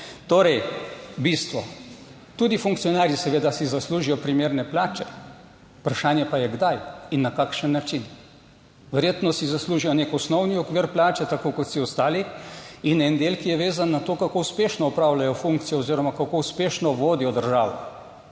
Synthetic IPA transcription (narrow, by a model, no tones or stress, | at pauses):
t̪oːɾɛjbist̪ʋɔ | t̪uːd̪ifuŋkt̪sijɔnaːɾjisɛʋeːd̪asizasluːʒijɔpɾimeːɾnɛplaːt͡ʃɛ | upɾaʃaːnjɛpajɛɡd̪ajinːakakʃənːat͡ʃin | ʋɛɾjeːt̪nɔsizasluːʒijɔnekɔsnɔwniɔkʋiɾplaːt͡ʃɛt̪akokɔt̪siɔst̪aːliinɛnd̪eːlkijɛʋeːzanːat̪oːkakouspeːʃnɔɔpɾawlajɔfuŋkt̪sijɔoziɾɔmakakouspeːʃnɔʋoːd̪ijɔd̪əɾʒaːʋɔ̰